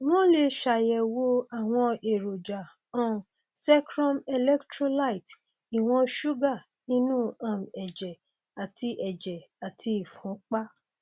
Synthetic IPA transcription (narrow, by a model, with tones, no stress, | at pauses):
w̃ɔ̃˦le˧ʃa˨jɛ˨wo˧a˦˨w̃ɔ̃˧e˨ɾo˨d͡ʒa˨ | ã˨m˨ | sɛ˦kɾɔ̃˦mɛ˧lɛ˦ktɾo˦la˦˨i˨t | i˨w̃ɔ̃˧ʃu˦ɡa˦˨ | nĩ˦nũ˦ã˦˨m˨ɛ˨d͡ʒɛ˨ | a˨tʰi˧ʔɛ˨d͡ʒɛ˨a˨tʰi˧i˦˨fũ˨˦k͡pa˦